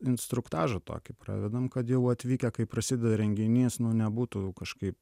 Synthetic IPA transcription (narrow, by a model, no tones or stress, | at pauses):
ɪnst̪ɾʊkt̪ɑːʒɐt̪o̰ːkʲɪpɾɑ̰ːʋʲɛd̪ɐmkɐt̪jɛʊɐt̪ʲʋʲiːkʲɛkɐɪpɾɐsʲɪd̪ʲɛd̪ɐɾʲɛŋʲɡʲɪnʲiːsnʊnʲɛbuːt̪ukɐʃkɐɪp